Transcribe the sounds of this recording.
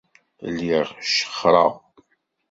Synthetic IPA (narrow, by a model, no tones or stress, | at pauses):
liʁʃə̥χɾˤɑ̰ʁ